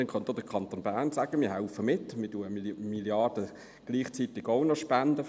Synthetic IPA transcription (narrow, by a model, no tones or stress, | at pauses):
ɛnkʰɑnd̪od̥əkʰɑnt̪onb̥æːɾnsaːɡ̥əmɪːɦaʊfəmɪtːmɪɐtuəmiljɑd̥ə | ɡ̥liːχt͡sit̪ɪɡoʊnɔʃpændə